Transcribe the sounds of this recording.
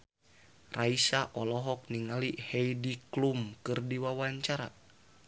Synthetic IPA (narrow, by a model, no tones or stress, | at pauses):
raisaʔɔlɔɦɔk̚niŋalihɛjdiklumkɨrdiwawaɲt͡ʃaɾa̰